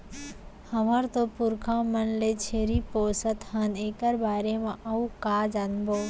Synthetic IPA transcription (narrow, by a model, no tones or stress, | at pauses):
həməɾt̪opuɾkʰãmənlet͡ʃʰeɾiposət̪ɦənekəɾbaːɾemẽʔəukad͡ʒanbo